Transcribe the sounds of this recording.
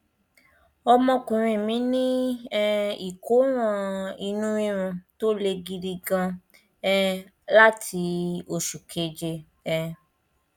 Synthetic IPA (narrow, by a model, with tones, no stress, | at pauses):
ɔ˧mɔ̃˧kũ˨ɾ̃ĩ˧˨mĩ˨˦nĩ˦ɛ˦i˨ko˨˦w̃ɔ̃˧i˧nũ˦ĩ˦ɾ̃ũ˧to˦le˧ɡi˧ɾi˧ɡã˧ | ɛ˦˧ | la˦tʰi˧o˨ʃu˨kʰe˨˦d͡ʒe˧ | ɛ˧